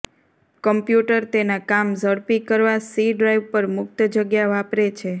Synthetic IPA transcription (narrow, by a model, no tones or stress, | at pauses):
kəmpjuʈəɾt̪enakamzəɽpikəɾʋasiɖɾajʋpəɾmʊk̚t̪d͡ʒəɡjaʋapɾet͡ʃʰe